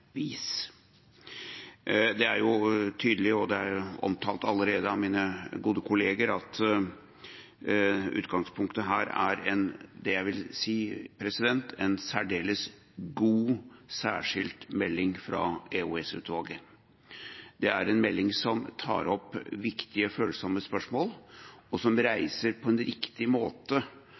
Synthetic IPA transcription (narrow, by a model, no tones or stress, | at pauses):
iːs | d̪ɛæɾjʊt̪ʰyːd̪əlɪɔd̪ɛæɾɔ̰mt̪ʰɑːlt̪ɑlːəɾeːd̪əɑʋmiːnəɡuːd̪əkʰʊleːɡəɾɑt̪ | ʉ̰ːt̪ɡɑŋspʰʊŋkt̪əɦæːɾæ̰ɾɛnd̪ɛjæɪʋɪlsiːpʰɾɛsɪd̪ɛnt̪ʰɛnsæɖeːləs | ɡuːsæ̰ːʂɪlt̪mɛlːɪŋfɾɑ̰euɛsʉ̰ːt̪ʰʋɑːɡə | d̪ɛæɾɛnmɛlːɪŋsɔmt̪ʰɑ̰ːɾɔpːʋɪkt̪ɪəføːlsɔməspœʂmoːlɔsɔmɾæɪsəɾpʰɔɛnɾɪkt̪ɪmoːt̪ə